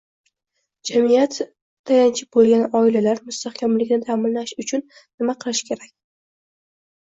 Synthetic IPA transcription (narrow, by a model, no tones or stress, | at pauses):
d͡ʒamijat̪ːʰ | ajant͡ʃʰɪp̚bolˠɡʲanɒɪlalaɾmʊst̪ahkʲʰamlɪkʲnɪt̪ʰamɪnlaʃʊt͡ʃʰʊn | nɪmaqʰɨlˠɪʃkʲʰe̞ɾakʲ